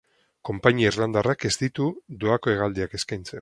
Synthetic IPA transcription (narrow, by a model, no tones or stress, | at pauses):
ko̞mpaɲiaizland̪arake̞zd̪it̪ud̪oako̞e̞ɣald̪iake̞skajnt͡se̞n